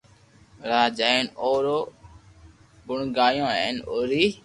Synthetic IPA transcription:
ɾaːd͡ʒaenoːɾoː | bʊɳɡaːjõːḛːnoːɾiː

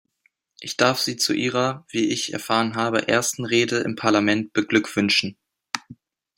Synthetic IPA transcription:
ʔɪçd̥aɐfz̥iːt͡sṵʔiːʁ̞ɐv̥iːʔɪçɛ̰ɐfaːʁənɦaːbə̰ʔḛːɐstn̩ʁeːdəʔɪ̰mpʰaɐlamɛnt̚b̥əɡlʏkv̥ʏnʃn̩

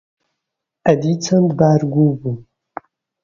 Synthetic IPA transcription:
ɐd̪it͡sʰɐnd̪baːɾɡʷubu

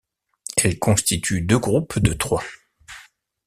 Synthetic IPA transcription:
ɛlkɔ̃st̪it̪ʰyd̪øɡʁupd̪ət̪χwa

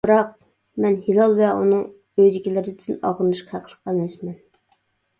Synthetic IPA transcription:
bɨɾɑq̚ | mɛnhilˠɑlˠvɛʔunɨŋ | øjd̪ɪkʲilɪɾɪd̪ɪnɑ̰ʁənɨʃqʰɑhæqʰəlˠə̥qʰːɑlɛʃmɛn

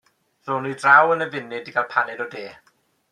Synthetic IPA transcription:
roːnidrawənəvɪnɪdiɡalˠpʰanɛdɔdeː

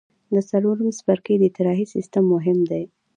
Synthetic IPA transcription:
d̪əsaloɾəmsbaɾkejd̪ət̪ɪɾɑɦisɪ̰st̪əmːʊɦɪmd̪aj

